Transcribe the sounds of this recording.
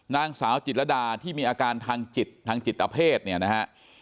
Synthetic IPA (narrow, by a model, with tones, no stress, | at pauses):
naː˧˥˩ŋsaː˩˦wt͡ɕi˨˩t̪̚la˧daː˧t̪ʰiː˥˩miː˧ʔaː˧kaː˧nt̪ʰaː˧ŋt͡ɕi˨˩t̪̚ʰːaː˧ŋt͡ɕi˨˩t̪̚ːa˧pʰeː˥˩t̪̚ni˥˩ɐna˦˥kʰa˦˥ʔ